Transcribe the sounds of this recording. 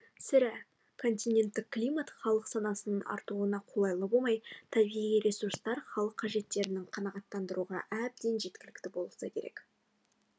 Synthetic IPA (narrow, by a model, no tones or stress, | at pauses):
sɪɾæ | kʰo̞nt̪ʲinʲe̞nt̪ːɪkkːlʲijmat̪χɑlˠəqsɑnɑsənənɑ̰ɾt̪uənɑqʰo̞lˠɑjlˠəbolˠmɑjt̪ʰɑbijijɾʲesuɾst̪ɑɾχɑlˠəqʰːɑʒe̞t̪ːe̞ɾɪnɪŋqʰɑnɑʁɑt̪ːɑnd̪əɾuʁɑ̰ʔæb̚d̪e̞nʒe̞t̪kʲɪlɪk̚t̪ɪbo̞lˠəsɑkʲʰe̞ɾḛk